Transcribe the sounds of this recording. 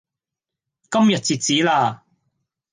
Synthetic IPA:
kɐ˥mjɐ˨t̚t͡siː˨t̚t͡siː˨˥laː˧

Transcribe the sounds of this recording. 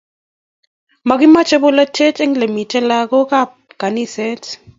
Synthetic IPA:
ma˨ɡɪ˦ma˦t͡ʃe˦bo˦la˦tʰe˦tɛ˦ŋle˨mi˨tɛ˦la˦ɡo˦ka˦p̚ka˨ni˦sɛ˦t

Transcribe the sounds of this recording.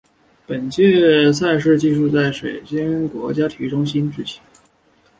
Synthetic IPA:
pə˨˩nt͡ɕjɛ˥˧s̬a˥˧ɪʂɻ̩˥˧t͡ɕi˥˧ʂu˥˧t͡sa˥˩ɪʂwe˨˩ɪt͡ɕi˥ŋkwɔ˧˥t͡ɕja˥t̪ʰi˧˥ʈ͡ʂʊ˥ŋɕ̬i˥nʈ͡ʂɻ̩˥˩t͡ɕʰi̥˧˥˦

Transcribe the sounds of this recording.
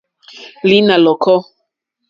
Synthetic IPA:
li˦na˨lɔ˨kɔ˦

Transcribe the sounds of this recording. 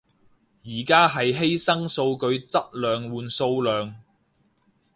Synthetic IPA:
jiː˨˩kaː˥ɦɐ˨jɦe˥jsɐ˥ŋso˧wkɵ˧ɥt͡sɐ˥t̚lœː˨ŋwuː˨nso˧wlœː˨ŋ

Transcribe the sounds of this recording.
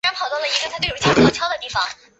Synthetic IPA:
ɻa˧˥npʰɑ˨˩t̪wʊ˥˩lə˩i̥˧˥ə˧˩a˥t̪wʰt̪t͡ɕʰjɑ˥ʊd̪ə˨t̪i˥˩fɑ˨˩ŋ

